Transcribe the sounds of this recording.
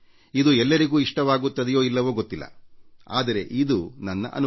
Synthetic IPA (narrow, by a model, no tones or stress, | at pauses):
id̪uɛlːɐɾiɡuːiʂʈɐʋaːɡut̪ːɐd̪ɛjo̞ːilːɐʋoːɡot̪ːilːɐ̰a̰ːd̪ɐɾe̞̰ʔid̪unɐnːɐ̰ʔɐ̰n